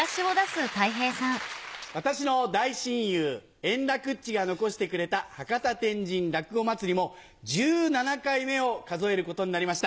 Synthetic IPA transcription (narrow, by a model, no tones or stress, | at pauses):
aɕio̞d̪asɨt̪aiɦe̞ːsãŋβat̪aɕino̞d̪aiɕĩɰ̃jɯː | ẽ̞nɾakɯ̟t͡ɕːiɡano̞ko̞ɕi̥t̪e̞kɯ̟ɾe̞t̪ahakat̪at̪ẽ̞ɲ̟d͡ʑĩnɾakɯ̟ɡo̞mat͡sɨɾʲimo̞ | d͡ʑɨːnanakaime̞o̞kazo̞e̞ɾɯ̟ko̞t̪o̞ɲinaɾʲimaɕi̥t̪a